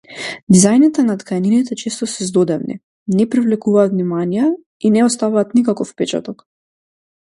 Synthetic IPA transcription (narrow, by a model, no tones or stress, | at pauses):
d̪izajnit̪ɛnat̪kajninit̪ɛt͡ʃest̪ɔsɛzd̪ɔd̪ɛvnḭ | nɛpɾivlɛkuvaːt̪vnimanijɛ | inɛɔst̪avaːt̪nikakɔfpɛt͡ʃa̰t̪ɔk